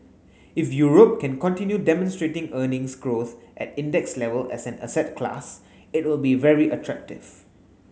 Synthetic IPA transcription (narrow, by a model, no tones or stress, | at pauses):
ɪfjuɹop̚kɛ̃nkɔ̃ntĩnjudɛmɔ̃nstɹetɪ̃ŋənɪ̃ŋsɡɹoθʔɛ̰tɪ̃ndɛkslɛvəlɛ̰sɛ̃nə̰sɛt̚kʰla̰s | ɪt̚wɪlbivɛɹiʔətʰɹɛk̚tɪ̰v̥